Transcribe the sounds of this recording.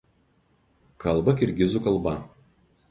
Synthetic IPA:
kɐlˠˑbɐkʲɪɾʲɡʲɪzuˑkɐlˠˑbɐ

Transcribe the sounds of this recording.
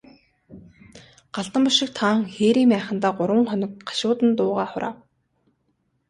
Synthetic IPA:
ɢ̥aɬt̪ə̆mpʊʃɪ̆k̚t̪ʰaːŋxeːɾiːmpæːχə̆nt̪aːɢʊɾwə̆ŋχœnɞ̆k̚ɢḁʃʊːt̪ə̆nt̪ʊːʁaːχʊɾa̰ːw

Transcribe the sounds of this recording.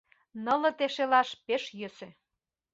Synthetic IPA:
nɤ̆lɤ̆t̪eʃelɑʃpeʃjø̆sĕ

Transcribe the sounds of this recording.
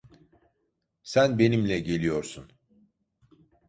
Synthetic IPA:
sænbe̞nimlʲɛɟe̞lʲijo̞ɾsun

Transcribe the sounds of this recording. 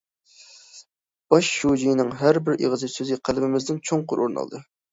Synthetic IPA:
b̥ɑʃːud͡ʒijnɪŋɦæɾbɪɾḛʁəzɨsøzɪqʰælbɪmɪzd̪ɪnt͡ʃʰoŋqʊɾʔo̰ɾnɑ̰l̰ˠd̪ɨ

